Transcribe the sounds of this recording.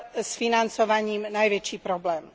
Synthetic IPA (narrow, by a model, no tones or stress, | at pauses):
sfinant͡sɔʋaɲiːmnajʋɛt͡ʃiːpɾɔblɛːm